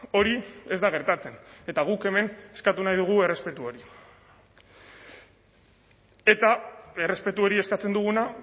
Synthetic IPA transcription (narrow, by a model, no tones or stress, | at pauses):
o̞ɾie̞zd̪aɣ̞e̞ɾt̪at͡se̞ne̞t̪aɣ̞uke̞me̞neskat̪unajðuɣ̞ue̞re̞spe̞t̪uo̞ɾi | e̞t̪ae̞re̞spe̞t̪uo̞ɾie̞skat͡se̞nd̪uɣ̞una